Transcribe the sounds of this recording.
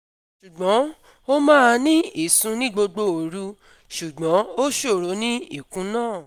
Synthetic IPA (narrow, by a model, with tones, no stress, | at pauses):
ʃu˨ɡ͡bɔ̃˨˦ | o˦mãː˦a˧nĩ˦i˨sũ˨˧˦nĩ˦ɡ͡bo˧ɡ͡bo˧o˨ɾu˧˦ | ʃu˨ɡ͡bɔ̃˨˦o˦ʃo˦˨ɾo˨˦nĩ˦i˦˨kũ˨˦nãː˦˨